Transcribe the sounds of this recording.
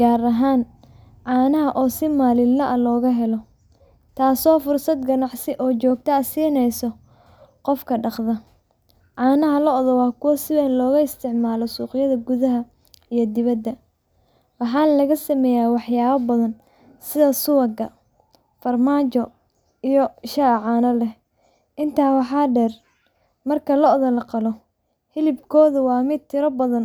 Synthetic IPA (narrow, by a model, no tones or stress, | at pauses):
ɡaːɾɐɦaːn | ʕaːnɐɦɐʔɔːsɪmaːlɪlnɐʔɐlɔːɣɐɦɛlɔ | t̪ʰaːsɔːfʊrsɐd̪ɡɐnɑʕsɪʔɔːt͡ʃɔːɡ̚t̪ʰɐɐsiːnɛjsɔ | qɔfkʰɐɖɑqðɐ | ʕɑːnɐɦɐlɐɔðɔwɑːkʰʊwɐsɪβɛːnlɔːɣɐɪst̪ʰɪʕmaːlɔsuːqɪjɐðɐɡʊðɐɦɐ | ijɞd̪ɪβɐd̪ːɐ | wɑħɑːnlɐɣɐsɐmɛːjaːwɑħjaːβɐbɐðɐn | sɪðɐsʊwɐɡɐ̰ | fɐrmaːt͡ʃɔ | ijɔʃaʕɑːnɐlɛh | ʔɪnt̪ʰaːwɑħɑːɖɛr | mɐrkʰɐlɔʔðɐlɐqɑlɔ | hɪlɪbkʰɔːðɐwɑːmɪd̪̚t̪ʰɪɾɐbɐðɐn